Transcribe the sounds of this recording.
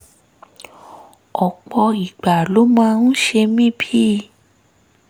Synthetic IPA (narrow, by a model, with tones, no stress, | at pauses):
ɔ˨k͡pɔ˧i˨ɡ͡ba˨lo˨˦mãː˦ñ̩˦ʃe˧mĩ˦bi˦